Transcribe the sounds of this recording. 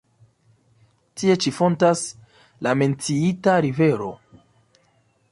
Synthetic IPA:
tie̞t͡ʃifo̞ntas | lame̞nt͡siitaɾive̞ɾo̞̰

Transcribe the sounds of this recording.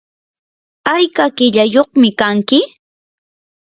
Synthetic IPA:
ajkakɪʎajoχmɪkaŋkɪ

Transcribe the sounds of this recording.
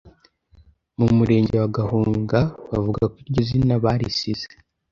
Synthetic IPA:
mumuɾe̞ːɲɟe̞waɡahuːŋɡaβavuɡakwiɾɟozinaβaɾḭsize̥

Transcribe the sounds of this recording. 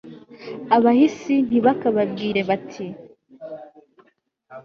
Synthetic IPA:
aβahisin̥iβakaβab̚ɡiːɾe̞βatʰi

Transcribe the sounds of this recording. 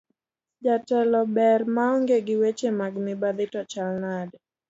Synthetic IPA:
d͡ʒatɛlɔbɛɾmaɔŋɡeɡɪwet͡ʃemaɡmɪbaðɪtɔt͡ʃalnad

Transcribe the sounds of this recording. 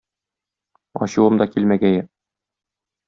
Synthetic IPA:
ɒ̰ɕuwɤmd̪ɒkilmæɡæjɘ

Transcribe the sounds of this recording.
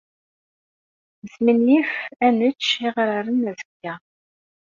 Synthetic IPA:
zminjifænət͡ʃːiʁɾəɾənæzə̥kːæ

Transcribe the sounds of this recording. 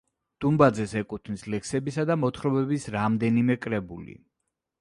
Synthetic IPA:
d̪̥umbad̪zɛsɛkʼut̪ʰnislɛksɛbisad̪amɔt̪ʰχɾɔbɛbisɾamd̪ɛnimɛkʼɾɛbulḭ

